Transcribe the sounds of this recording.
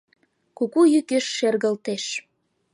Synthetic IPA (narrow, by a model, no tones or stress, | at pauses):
kukujykeʃːerɣə̆lt̪eʃ